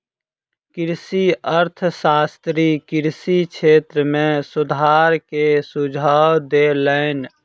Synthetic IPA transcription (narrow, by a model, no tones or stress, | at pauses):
kɪɾsiəɾt̪ʰsaːst̪ɾikɪɾsikʰeːt̪ɾəmẽsʊd̪ʱaːɾkesud͡ʒʱaːwd̪eləɪn